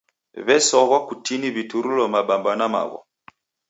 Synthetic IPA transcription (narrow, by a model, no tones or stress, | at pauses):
βɛsɔɣwakutiniβituɾulɔmaɓambanama̰ɣɔ̰